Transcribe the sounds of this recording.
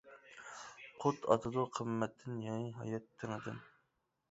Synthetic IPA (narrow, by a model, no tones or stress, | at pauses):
qʰot̪ʰɑ̰t̪ʰɨd̪oqʰəmːɛt̪ʰːɪnjɑɦɑ̰jɑt̪ʰːɪŋəd̪ɨ̰n